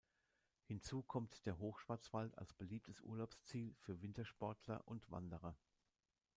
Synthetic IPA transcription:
hɪnt͡suːkʰɔmtd̥eːɐɦoːxʃv̥aɐt͡sv̥alta̰lsb̥əliːp̚tʰəsʔṵɐlaʊpst͡siːlfyːɐvɪntɐʃpɔɐtʰlɐ̰ʔʊntv̥a̰ndəʁɐ

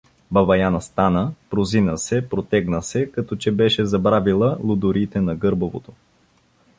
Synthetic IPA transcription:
bɐvɐjanɐst̪anəpɾozinəsɛpɾot̪ɛɡnəsɛkɐt̪ɔt͡ʃɛbɛʃɛzɐbɾavilˠəlˠʊd̪ʊɾiːt̪ɛnɐɡɤɾbovo̰t̪o

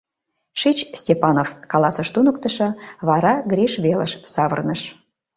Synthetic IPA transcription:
ʃit͡ɕsʲtʲepɑnofkɑlɑsəʃt̪unəkt̪ə̆ʃɑβɑɾɑɡɾʲiʃβelə̰ʃsɑβə̰rnəʃ

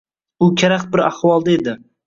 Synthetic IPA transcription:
ʊkʲʰaɾaχbɪɾahwɒlˠd̪aed̪ɪ

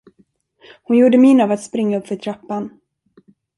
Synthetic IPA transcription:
hʊnjuːɖəminaːvat̪spɾɪŋːaɵpːfœʈʰɾapːan

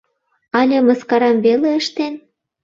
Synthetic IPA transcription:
ɑlʲemə̆skɑɾɑmβeleəʃt̪en

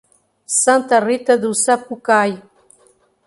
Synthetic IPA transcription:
sant̪arit̪ad̪usapukaj

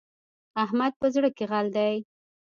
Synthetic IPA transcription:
aɦmad̪̚pəzɽəkeɣald̪aj

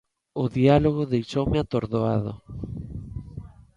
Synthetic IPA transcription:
ʊðialoɣ̞oðejʃowmeat̪oɾðoa̰ðo̰

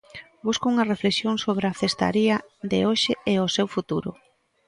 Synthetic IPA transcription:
buskouŋɐrefleksjoŋsoβ̞ɾaθest̪a̰ɾiɐd̪eoʃɪeosewfut̪uɾʊ

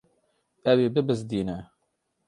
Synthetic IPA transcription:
ɛweːbɨbɨzd̪iːnɛ

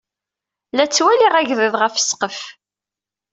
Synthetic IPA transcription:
læt͡sːwæliʁæʝðəðʁəfə̥sqəf

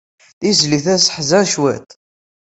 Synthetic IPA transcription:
θizliθæsə̥ħzæʃwæ̰t̪

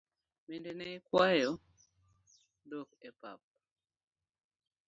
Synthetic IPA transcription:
mendenekwajɔ | dokepa̰p̚

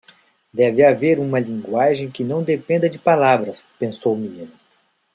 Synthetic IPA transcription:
d̪ɛvɪaveɾũmɐlĩŋɡwaʒẽj̃kɪnɐ̃w̃d̪epẽnd̪ɐd͡ʒɪpalabɾɐspẽsowminĩnʊ

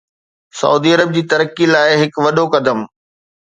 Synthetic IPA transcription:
sɐ̰uːd̪iɐɾəb̚d͡ʑiːt̪ɐɾəkːilaːɪɦɪkʋɐɗokɐd̪əm

